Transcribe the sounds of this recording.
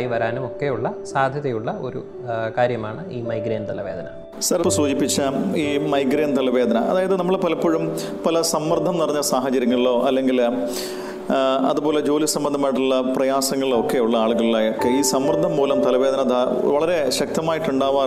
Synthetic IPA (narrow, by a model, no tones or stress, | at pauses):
iʋɐɾaːnumo̞kːe̞juɭːɐsaːd̪ʱjɐðɐjuɭːɐo̞̰ɾṵ | kaːɾjɐmaːɳɨiːmɐjɡɾeːnt̪ɐlɐʋe̞ːd̪ʱɐnɐ | sɐɾposuːd͡ʑipːit͡ɕːɐiːmɐjɡɾeːnt̪ɐlɐʋe̞ːd̪ʱɐnɐʔɐ̰ðaːjɐðɨnɐmːɐɭpɐlɐpːoːɻum | pɐlɐsɐmːɐrd̪ʱɐmnɐrɐɲːɐsaːɦɐt͡ɕɐɾjɐŋːɐɭilo̞ːʔɐlːe̞ŋɡil | ɐ̰ðupoːle̞d͡ʑo̞ːlisɐmbɐnd̪ʱɐmːaːiʈ̬ːuɭːɐprɐjaːsɐŋːɐɭilokːe̞uɭːɐaːɭuɣɐɭilaːjokːe̞iːsɐmːɐrd̪ʱːɐmpo̞ːlɐmt̪ɐlɐʋeːd̪ʱɐnɐd̪a | ʋɐɭɐɾe̞ɕɐk̚t̪ɐmaːjiʈːuɳɖaːʋaː